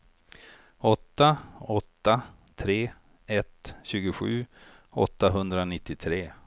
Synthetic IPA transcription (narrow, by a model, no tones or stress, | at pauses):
ɔt̪ːaɔt̪ːa | t̪ʰɾeː | ɛt̪ɕʉ̟ːɡʊɧʉ̟ː | ɔ̰t̪ːaɦɵnd̪ɾanɪt̪ːɪt̪ʰɾeː